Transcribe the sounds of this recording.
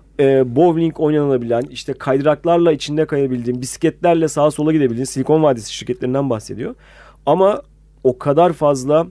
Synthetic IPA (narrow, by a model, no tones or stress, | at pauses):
ɛːbovlʲiɲko̞jnanɯlˠabilʲæniʃt̪ʰɛkʰajd̪ɯɾaklˠaɾlˠait͡ʃʰind̪ɛkajabilʲd̪iːmbiscɛt̪lʲæɾlʲɛsaːɯsolˠaɡɟid̪ebilʲd̪iːsilʲikʰo̞nvaɾd̪esi̥ʃiɾcʰɛt̪lʲeind̪ænbaxse̞d̪ijo̞ | ama | o̞kʰad̪aɾfazlˠa